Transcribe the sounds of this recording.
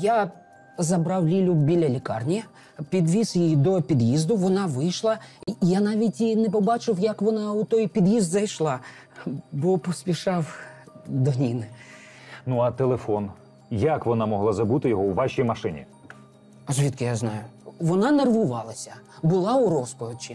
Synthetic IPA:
ja | zɐbɾɑwlʲilʲʊbʲilʲɐlʲikɑrnʲi | pʲid̪ʋʲisjid̪ɔpʲid̪jizd̪ʊʋɔnɑʋɪjʃlˠɐjanɑʋʲitʲinɛpɔbɑt͡ʃɪwjɐkʋɔnɑʊt̪ɔjpʲid̪jizd̪zɐjʃlˠɑ | bɔpɔsʲpʲiʃɑw | d̪ɔnʲinɪ | nuɐt̪elˠefɔn | jɐkʋɔnɑmɔɦlˠɑzɐbut̪ɪjɔɦɔuʋɑʃʲijmɐʃɪnʲḭ | ɐzʲʋʲit̪kɪjaznɑjʊʋɔnɑnerʋʊʋɑlˠɐsʲɐbʊlˠɑʊɾɔspɔʋʲit͡ʃːi

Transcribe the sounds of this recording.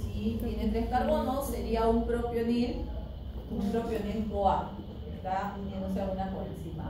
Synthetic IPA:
siet̪enet̪ɾeskaɾβonoseɾiaumpɾopjonil | umpɾopjonilkoa | est̪aunjend̪os̬eaunakoɾensima̰

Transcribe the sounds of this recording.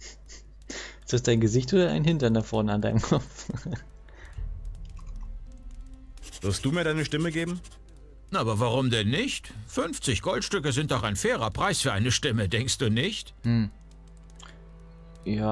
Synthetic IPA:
ɪstɛstd̥aɪnɡəzɪçtoːdɐa̰ɪnhɪntɐndafɔɐnəandaɪnəmkʰɔp͡f | v̥ɪɐstd̥uːmiːɐdaɪnəʃtɪməɡeːbm̩ | nʔaːbɐvaʁʊmdɛnːɪçtfʏnft͡sɪçɡ̥ɔltʃtʏkəzɪnt̚d̥ɔχaɪnfɛːʁɐpʁ̥aɪsfyːɐaɪnəʃtɪmədɛŋkst̚d̥uːnɪçt̩ | jaː

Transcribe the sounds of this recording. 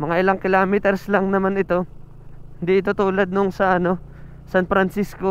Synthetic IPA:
mɐŋaʔɪlaŋkɪlaːmɪt̪ɛɾslaŋnɐmanɪt̪o̞ | hɪnd̪iʔɪt̪ot̪uːlɐd̪̚noŋsɐʔɐno̞ | sanfɾɐnsisko̞

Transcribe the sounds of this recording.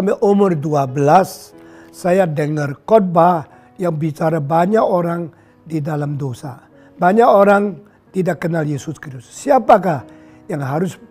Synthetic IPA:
amaʔomərduabəlasː | ajadəŋərkɔt̚ba | jaŋbit͡ʃaɾabaɲakoɾaŋ | didalamdosa | baɲakoɾaŋ | t̪idakːənaljesʊskiusːiapakah | jaŋɦaɾʊs

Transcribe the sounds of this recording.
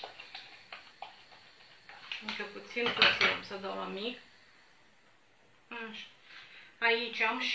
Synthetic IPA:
ɨŋkəput̪sinput̪sia̰msəd̪awamik | aʃ | ait͡ʃʲamʃ

